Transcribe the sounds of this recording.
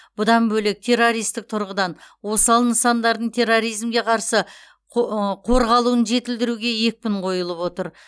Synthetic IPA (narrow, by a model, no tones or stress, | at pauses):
b̥ʊd̪ɑnbɵlek̚t̪ʰe̞rːo̞ɾijst̪ɪk̚t̪ʰʊɾʁəd̪ɑnwo̞sɑlˠənəsɑnd̪ɑɾd̪əɴt̪ʰe̞rːo̞ɾijzmɡʲe̞qʰɑɾsə | qʰo̞ɾʁɑlˠuənʒe̞t̪ɪld̪ɪɾuɡʲe̞je̞k̚ʲpʲɪɴqʰo̞jəlˠəpwo̞t̪əɾ